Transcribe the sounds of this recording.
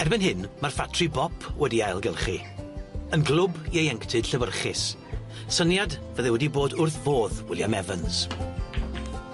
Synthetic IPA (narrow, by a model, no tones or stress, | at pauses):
ɛrbɪnɦɪnmarfatʰribɔpʰwɛdiajlˠɡɛlˠχi | ənɡlˠʊbiejɛŋktʰɨd̥ɬəvərχɪs | sənjadvəðɛwɛdiboːdʊrθvoːðwɪlˠjamɛvənz̥